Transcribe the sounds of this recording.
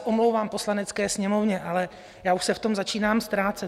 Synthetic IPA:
ʔo̞mlowvaːmpo̞slanɛt͡skɛːsɲɛmo̞vɲɛʔalɛ | jaːuʃsɛft̪o̞mzat͡ʃiːnaːmst̪ɾaːt͡sɛ

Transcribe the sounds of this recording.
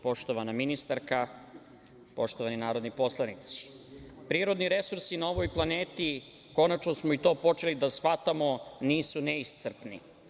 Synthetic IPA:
po̞ʃt̪o̞ʋanaminist̪aɾka | po̞ʃt̪oʋaninaːɾo̞d̪nipo̞slˠanit̪si̥ | pɾiːɾo̞d̪niɾe̞suɾsinao̞ʋojplˠane̞ːt̪i | ko̞nat͡ʃnosmoit̪o̞ːpo̞t͡ʂe̞lid̪asxat̪amo̞niːsuneist̪sr̩pnḭ

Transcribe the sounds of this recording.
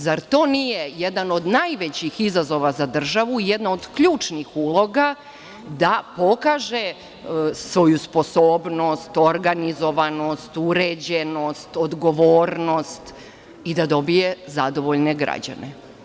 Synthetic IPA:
zaɾt̪o̞ːnijejed̪ano̞d̪najʋet͡ɕixizazo̞ʋazad̪r̩ʒaʋuijed̪naod̪kʎuːt͡ʂnixuːlˠo̞ɡa | d̪apo̞kaːʒe | sʋo̞juspo̞soːbno̞st̪o̞ɾɡanizo̞ʋano̞st̪uɾed͡ʑeno̞st̪od̪ɡo̞ʋoːɾno̞st̪ | id̪ad̪o̞bije̞zad̪o̞ʋo̞ʎne̞ɡɾa̰d͡ʑa̰nḛ

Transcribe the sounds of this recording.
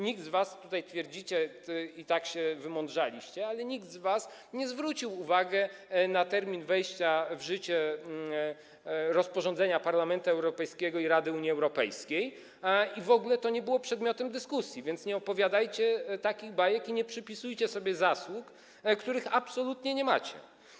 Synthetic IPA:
ɲiɡ̚d̪zvast̪ut̪ajt̪fʲjɛɾd͡ʑit͡ɕɛ | it̪akɕɛvɘmɔnd̪ʐalʲiɕt͡ɕɛalɛɲiɡd̪zvas | ɲɛzvɾut͡ɕiwuvaɡɛnat̪ɛɾmʲinvɛjɕt͡ɕavʐɘt͡ɕɛ | ɾɔspɔʐɔnd̪ɛɲapaɾlamɛnt̪uɛwɾɔpɛjskʲɛɡɔiɾad̪ɘuɲiɛwɾɔpɛ̰jskʲej | ivɔɡulɛt̪ɔɲɛbɘwɔpʂɛd̪mʲjɔt̪ɛmd̪ɘskusʲjivʲjɛnt̪sɲɛɔpɔvʲjad̪ajt͡ɕɛt̪akʲiɣbajɛkiɲɛpʂɘpʲisujt͡ɕɛsɔbʲjɛzaswuk | kt̪uɾɘxapsɔlut̪ɲɛɲɛma̰t͡ɕɛ̰

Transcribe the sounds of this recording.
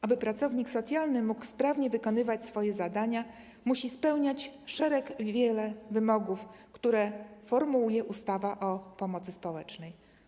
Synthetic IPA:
ʔabɘpɾat̪sɔvɲiksɔt̪sʲjalnɘmukspɾavɲɛvɘkɔnɘvat͡ɕsfɔjɛzad̪aɲa | muɕispɛwɲat͡ɕʂɛɾɛɡvʲjɛlɛvɘmɔɡufkt̪uɾɛfɔɾmuwujɛʔust̪avaʔɔpɔmɔt̪sɘspɔwɛt͡ʂnɛj

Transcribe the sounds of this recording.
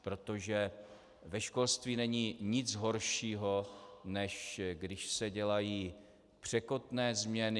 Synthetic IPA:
pɾo̞t̪o̞ʒɛ | vɛʃko̞lst̪viːnɛɲiːɲɪt͡sɦo̞ɾʃiːɦo̞nɛʃɡdɪʃsɛɟɛlajiː | pr̝̥ɛkot̪nɛːzmɲɛnɪ

